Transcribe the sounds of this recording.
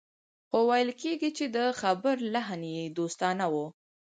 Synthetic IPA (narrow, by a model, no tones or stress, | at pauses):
xowajlkeɡit͡ʃed̪əxabəɾlaɦnjed̪ost̪ɑnawu